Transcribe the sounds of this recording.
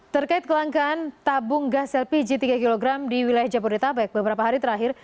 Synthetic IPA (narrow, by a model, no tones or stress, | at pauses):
t̪ərkaɪt̪̚kəlaŋkaːnt̪abʊŋɡasɛlpid͡ʒit̪iɡakiloɡɾamdiwilajahd͡ʒapodɛt̪abɛk̚bəbəɾapaɦaɾit̪əɾaɦɪr